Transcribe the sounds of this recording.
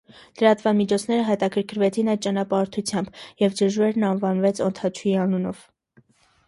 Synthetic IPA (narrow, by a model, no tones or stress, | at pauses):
ləɾɑt̪vɑmit͡ʃʰɔt͡sʰn̪ɛɾəɦɛt̪ɑkʰəɾkʰəɾvɛt͡sʰinɑjd̪̚t͡ʃɑnɑpɑɾt̪ʰut͡sʰjɑmbjɛvd͡ʒəʒvɛɾnɑnvɑnvɛt͡sʰɔnt̪ʰɑt͡ʃʰuiɑnunɔ̰v̥